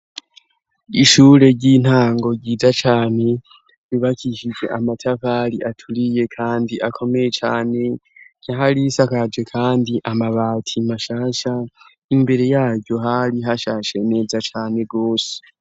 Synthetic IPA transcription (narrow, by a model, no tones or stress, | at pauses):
iʃuːɾe̞ɟin̥haːŋɡo̞ɟiːzat͡ʃaːne̞ | βiβakʰiʃid͡ʒe̞̰ʔamatʰafaɾiʔatʰuɾije̞kʰaːndiʔakʰo̞me̞je̞t͡ʃaːne̞ɟ̥aɦaɾisakad͡ʒe̞kʰaːndiʔamaβaːtʰimaʃaːʃa | imbe̞ɾe̞jaːβɟo̞ɦaɾiɦaʃaːʃe̞ne̞ːzat͡ʃaːne̞ɡo̞ːse̥